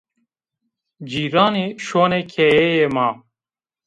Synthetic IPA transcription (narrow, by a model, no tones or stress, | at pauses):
d͡ʑiːɾaːneɕoːnekʰeːeːjemaː